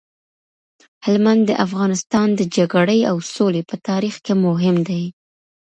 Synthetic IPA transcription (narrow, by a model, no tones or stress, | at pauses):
hɪlmand̪ːəʔafɣɑnɪst̪ɑnd̪əd͡ʒaɡɽəjawsolepət̪ɑɾixkemʊɦɪmd̪aj